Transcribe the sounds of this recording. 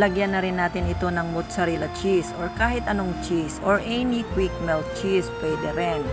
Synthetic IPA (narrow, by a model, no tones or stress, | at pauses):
lɐɡjɐnːɐɾɪnːaːt̪ɪnɪt̪o̞nɐŋmʊt̪sɐɾilɐt͡ʃisoɹkaːhɪt̪ɐnoŋt͡ʃisoɹʔɛnikwik̚mɛlt̪̚t͡ʃispɛjd̪ɛɾɛn